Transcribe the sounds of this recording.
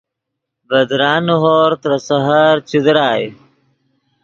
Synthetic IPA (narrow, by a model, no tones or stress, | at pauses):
bɐd̪ɾaːnuɦoːɾt̪ɾɐsɐɦɐɾt͡ɕud̪ɾaːji